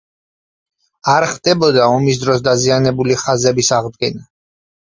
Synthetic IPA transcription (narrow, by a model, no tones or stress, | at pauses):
aɾχd̪ɛbɔd̪aɔmis̬d̪ɾɔs̬d̪azianɛbuliχazɛbisaʁd̪̚ɡɛna